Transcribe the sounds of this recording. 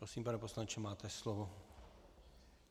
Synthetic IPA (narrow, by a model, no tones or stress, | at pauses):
ɾosiːmpanɛpo̞slant͡ʃɛmaːt̪ɛslovo